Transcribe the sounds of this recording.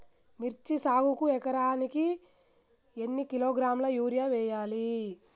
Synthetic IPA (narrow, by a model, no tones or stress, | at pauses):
miɾt͡ʃisaːɡukuɛkɐɾaːniki | enːikiloːɡɾaːmlɐjuːɾjaʋɛːjaːli